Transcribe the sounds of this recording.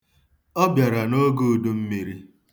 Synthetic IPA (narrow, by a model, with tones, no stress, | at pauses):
ɔ˦bja˨ɾa˨no˦ɡu˦˨du˦m̩˦mi˨ɾi˦